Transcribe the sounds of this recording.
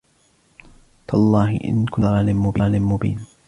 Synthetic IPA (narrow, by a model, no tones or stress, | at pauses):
t̪alˤːɑːhɪ̰ʔɪ̰nkʊɾˤɑːlɪmʊbiːlɪmʊbḭːn